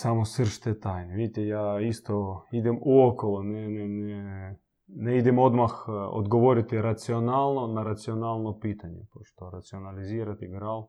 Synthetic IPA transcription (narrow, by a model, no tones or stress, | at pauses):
samosəɾʃt̪et̪ajneʋid̪it̪ɛjaːist̪oid̪ɛmuokolˠonɛnɛnɛ | nɛid̪ɛmod̪maxo̰d̪ɡoʋoɾɪt̪ɪɾat̪sionalˠnonaɾat̪sionalˠnopit̪aɲɛ̰poʃt̪oɾat̪sionaliziːɾat̪iɡɾalˠ